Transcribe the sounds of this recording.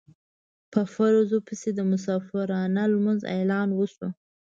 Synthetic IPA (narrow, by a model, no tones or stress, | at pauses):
pəfaɾozopəsed̪əmʊs̬ɑfɪɾɑnalmənzḛjlɑnwəso